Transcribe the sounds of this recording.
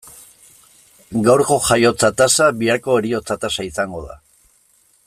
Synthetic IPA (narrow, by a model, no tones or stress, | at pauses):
ɡawɾko̞ʝajo̞t͡sat̪asaβiaɾko̞eɾio̞t͡sat̪asaisaŋɡo̞ða̰